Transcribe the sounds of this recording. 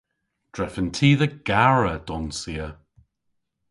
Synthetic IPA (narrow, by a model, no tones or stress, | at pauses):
d̥ɹɛfəntʰiːðəɡ̥aɹəd̪̥ɔnsiːə